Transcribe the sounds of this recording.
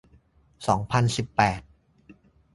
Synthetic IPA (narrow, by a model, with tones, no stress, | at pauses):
sɔː˩˦ŋpʰa˧nsi˨˩pːɛː˨˩t̪̚